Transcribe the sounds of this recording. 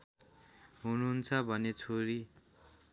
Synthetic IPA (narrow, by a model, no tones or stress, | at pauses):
ɦunuɦunt͡sʰʌbʱʌnet͡sʰoɾi